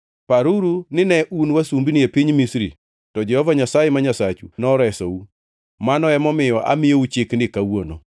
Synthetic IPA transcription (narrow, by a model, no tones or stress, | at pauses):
paɾuɾunɪnɛʔunwasumbinɪepiɲmisɾḭ | tɔd͡ʒɛhɔvaɲasajemaɲasat͡ʃunɔɾɛsɔu | manɔɛmɔmɪjɔʔa̰mɪjout͡ʃɪkndɪkawono̰